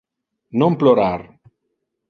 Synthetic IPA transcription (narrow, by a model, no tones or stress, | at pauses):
nõmploɾaɾ